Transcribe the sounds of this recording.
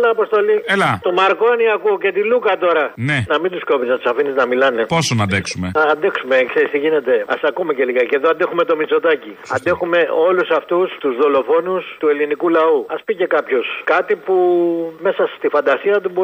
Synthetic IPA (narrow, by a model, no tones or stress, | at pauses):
lɐːpo̞st̪o̞lielɐt̪omɐɾkoɐniɐkuoce̞t̪ilukɐt̪o̞ɾɐnenɐmind̪uskopiznɐt̪u̥sɐfiniznɐmilɐne̞posonɐd̪eksumeɐːnd̪e̞ksume̞kseɾist̪iʝine̞t̪e̞ɐ̰sɐkumece̞liɣɐce̞ðoɐnd̪e̞xume̞t̪o̞mit͡so̞t̪ɐciɐ̰nd̪e̞xume̞o̞lusɐft̪ust̪uzðo̞lo̞fo̞nust̪ue̞linikulɐuɐspice̞kɐpço̞skɐt̪ipume̞sɐst̪ifɐnd̪ɐsiɐt̪̬ubo